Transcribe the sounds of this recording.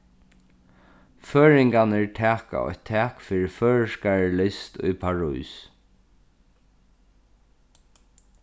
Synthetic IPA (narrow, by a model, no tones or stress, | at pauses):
føːɹɪŋkanɪɹtʰæːka̰ɔ̰jt̪ʰːɛːkfiːɹɪføːɹʂkaɹlɪst̪ʊ̰jpʰaɹṵjs